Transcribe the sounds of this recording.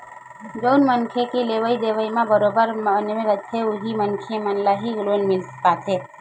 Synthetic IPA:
d͡ʒoːnmənkʰekeleːʋəid̪eːʋəimãbəɾoːbəɾmənmẽɾətʰeʊɦimənkʰemənlaɦiɡloːnmɪlspaːt̪ʰɦeː

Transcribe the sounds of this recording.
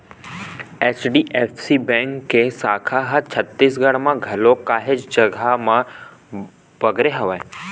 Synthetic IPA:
et͡ʃɖiʔefsibɛ̃ŋkːesakʰaɦət͡ʃʰət̪ːisɡʱəɽmãɡʱəlokaɦed͡ʒd͡ʒəɡʱamã | bəɡɾeɦəʋae

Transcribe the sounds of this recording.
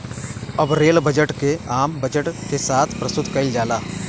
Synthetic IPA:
ɐbɾeːlbɐd͡ʒəʈkeaːmbɐd͡ʒəʈkesaːt̪ʰpɾɐst̪ʊt̪kɐɪld͡ʒaːlaː

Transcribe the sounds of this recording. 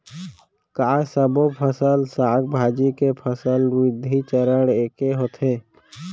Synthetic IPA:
kaːsəbopʰəsəlsaːɡ̚bʱaːd͡ʒikepʰəsəlwɪd̪ʱit͡ʃəɾəɽeːkeɦoːt̪ʰɦeː

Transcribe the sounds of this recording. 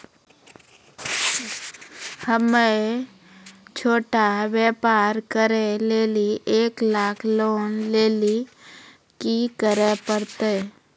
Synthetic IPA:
həme | t͡ʃʰoːʈaʋeːpaːɾkəɾeleːliʔeːklaːkʰloːnleːli | kikəɾepəɾt̪e

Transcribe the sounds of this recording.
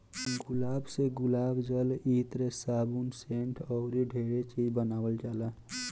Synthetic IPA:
ɡulaːbseɡulabd͡ʒəlit̪ɾesabunseɳʈʰɔʊɾiɖʱeɾet͡ʃid͡ʒbənaːwəlt͡ʃala

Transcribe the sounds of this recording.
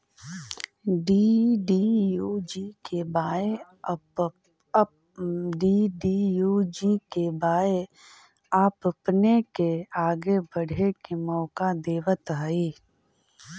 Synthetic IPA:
ɖiːɖiːjuːd͡ʒiːkebaːe | ɖiːɖiːjuːd͡ʒikebaːe | aːpəpnekeaːɡebəɽ̤ʱekemɔːkad̪eːʋət̪ɦaiː

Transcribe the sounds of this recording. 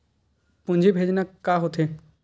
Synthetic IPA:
pʊ̃ɲd͡ʒʱebʱeːd͡ʒnakːaːɦot̪ʰeː

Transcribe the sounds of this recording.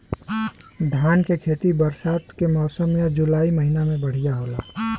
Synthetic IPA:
ɖʱaːnkekʰeːt̪ibəɾsaːt̪kemɔːsəmjad͡ʒʊlaːiməɦinamẽbəɽ̤ijaɦoːla̰ː

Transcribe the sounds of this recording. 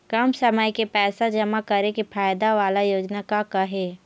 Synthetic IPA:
kɐmsɐməjkepɛːsad͡ʒɐmakɐɾekepʰaːjd̪aʋaːlajoːd͡ʒnakakɐɦeː

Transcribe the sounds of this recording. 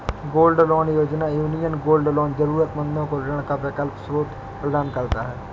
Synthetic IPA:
ɡoːlɖlɔːnjoːd͡ʒnajuːnijənɡoːlɖlɔːnzəɾuːɾət̪mə̃nd̪õkoɾɪɳ̃kabɪkəlpsɾoːt̪ | pɾəd̪aːnkəɾt̪aɦɛː

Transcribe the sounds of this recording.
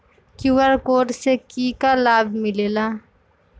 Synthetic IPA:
kjuːwəɾkoːʈsekiːkalaːbmɪleːlaː

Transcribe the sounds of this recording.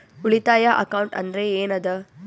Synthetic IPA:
uɭit̪aːjɐʔɐkɐwɳʈɐ̰nd̪ɐɾeeːnɐd̪ɐ

